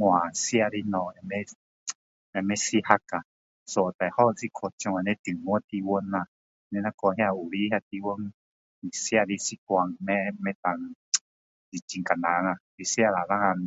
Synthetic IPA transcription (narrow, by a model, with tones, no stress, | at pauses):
ŋʷ˧ã˨sja˧ɾi˧nɔ̃˧˨ã˧mẽ˦ | a˧mẽ˦si˦ha˧ka˨ | so˧˨t̪a˨jho˦˨t͡si˦kʰo˧˨t͡ʃõ˧a˧˨nẽ˦t̪i˨ŋõ˦t̪i˧wo˧nã˧ | nẽ˧nã˦ko˧ɦja˧u˨ɾi˦hja˧t̪i˧wo˦ŋ˧ | i˨sja˦˧ɾi˧si˦kʷa˧ŋ˧mẽ˦mẽ˦t̪a˧˨ŋ˧ | d͡zi˨t͡ʃi˧ŋka˨nã˨˧ŋã˧ɾi˧sja˦˧la˨la˦ŋã˧